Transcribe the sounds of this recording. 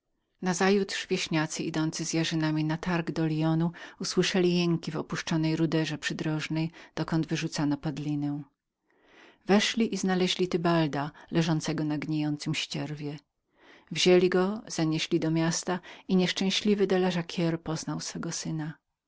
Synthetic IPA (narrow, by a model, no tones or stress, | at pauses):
nazajut̪ʂvʲjeɕɲat̪sɘʔid̪ɔnt̪sɘzʲjaʐɘnamʲinat̪aɾɡd̪ɔlʲijɔnuuswɘʂɛlʲijɛŋkʲivɔpuʂt͡ʂɔnɛjɾud̪ɛʐɛpʂɘd̪ɾɔʐnɛjd̪̥ɔkɔnd̪vɘʐut̪sanɔpad̪lʲinɛw̃ | vɛʂlʲiʔiznalɛʑlʲit̪ɘbald̪alɛʐɔnt̪sɛɡɔnaɡɲejɔnt̪sɘmɕt͡ɕɛɾvʲjɛ | vʑelʲiɡɔz̥aɲɛɕlʲid̪ɔmʲjast̪aiɲɛʂt͡ʂɛ̃w̃ɕlʲivɘd̪ɛlɛʐakʲʰɛɾpɔznawsfɛɡɔsɘna